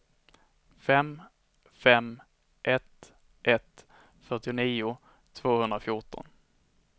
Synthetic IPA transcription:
fɛm | fɛm | ʔɛt̪ | ʔɛt̪ | fœʈɪʊniːʊ | t̪ʰv̥oːhɵnd̪ɾafjʊʈɔ̰n

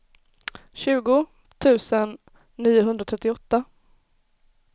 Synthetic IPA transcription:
ɕʉ̟ːɡʊ | t̪ʰʉ̟ːsənː | iːʊɦɵnd̪ɾat̪ʰɾɛt̪ːɪɔt̪ːa

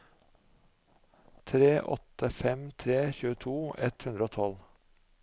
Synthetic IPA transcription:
t̪ʰɾeːʔɔ̰t̪əfɛmt̪ʰɾeːçʉːət̪ʰuːɛt̪hʉnd̪ɾəoːt̪ʰɔl

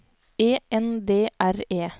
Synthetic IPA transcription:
eːɛnd̪eːʔæɾeː

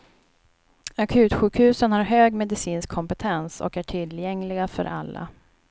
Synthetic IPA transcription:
akʰʉ̟ːt̪ɧʉ̟ːkhʉ̟ːsənhaɾɦøːɡmɛd̪ɪsiːnskʰːɔmpɛt̪ʰɛnsɔ̰kæʈʰɪlːjɛŋlɪɡafœ̰ɾʔa̰lːa̰

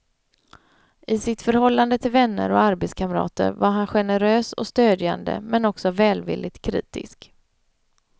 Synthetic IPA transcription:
ʔɪsɪt̪fœɾhɔlːand̪ət̪ʰɪlvɛnːə̰ɾɔaɾbɛt̪skʰamɾɑ̰ːt̪ə̰ɾvaɾɦanɧɛnəɾøːsɔst̪øːd̪ja̰nd̪ə̰mɛnɔksɔvɛːlvɪ̰lːɪt̪kʰːɾḭːt̪ɪ̰sk

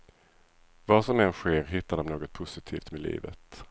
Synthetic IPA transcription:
vasɔmɛnɧeːɾɦɪt̪ːaɖɔmnoːɡɔt̪̚pʰʊsɪt̪ʰiːft̪mɛlḭːvə̰t̪

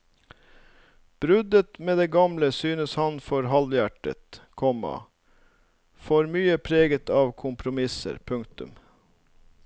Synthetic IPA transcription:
b̥ɾʉd̪ət̪meːd̪eːɡɑmləsyːnəshɑnfɔɾɦɑljæʈə̰t̪kʰɔmɑ̰ | fɔːɾmyːəpʰɾeːɡət̪ʰɑːʋkʰʊmpʰɾʊmɪsə̰ɾpʰʉŋk̚t̪ʉ̰m

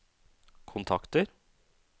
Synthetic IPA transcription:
kʰʊnt̪ʰɑkt̪əɾ

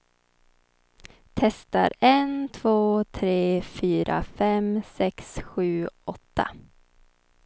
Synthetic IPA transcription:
t̪ʰɛst̪a̰ɾɛnt̪ʰv̥oːt̪ʰɾeːfyːɾʔa̰fɛmsɛksɧʉ̟ːɔt̪ʰːa̰

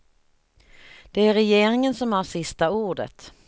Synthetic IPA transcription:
d̪̥ɛæɾɛjeːɾɪŋənsɔmhaɾʂɪst̪auːɖə̰t̪

